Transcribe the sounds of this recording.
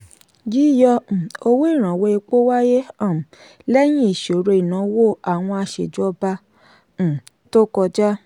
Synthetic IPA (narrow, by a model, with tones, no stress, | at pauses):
ɡi˨˦˨jɔ˧˨o˧wo˦i˦˨ɾ̃ã˨wo˧˦e˧k͡po˦wa˦je˦a˦˨ | lɛ˦j̃ĩ˦i˦˨ʃo˨ɾe˧i˨nã˨˦wo˦˨a˨w̃ɔ̃˧a˧ʃḛ˨d͡ʒɔ˦bã˧˨ | to˦kɔ˧d͡ʒa˦